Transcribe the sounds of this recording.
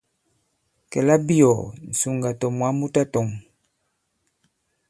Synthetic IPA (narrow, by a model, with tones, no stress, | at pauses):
kɛ˨la˦bi˦ɔ˨n̩˨su˨ŋɡa˨tɔ˨mwa˨˦mu˦ta˦tɔ˨m˨